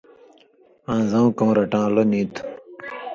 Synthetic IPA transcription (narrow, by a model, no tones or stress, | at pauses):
ãːzɐ̃w̃kõːɾɐʈãːlonĩːt̪ʰu̥